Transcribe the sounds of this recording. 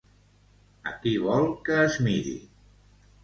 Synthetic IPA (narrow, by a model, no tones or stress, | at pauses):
ə̰kiβɔlˠkəːzmiɾḭ